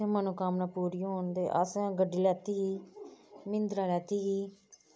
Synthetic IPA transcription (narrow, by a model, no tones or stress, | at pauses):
ẽmənũːkaːmnãːpuːɾijɦoːnd̪eːʔa̰sẽɡəɖiːlɛːt̪iːɦiː | mɪnd̪ɾaːlɛːt̪iːɦiː